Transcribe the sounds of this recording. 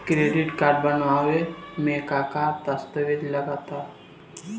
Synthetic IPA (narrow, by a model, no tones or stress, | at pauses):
kɾeɖiʈkaɖbənʋaʋemekakat̪əst̪əʋid̪ləɡat̪a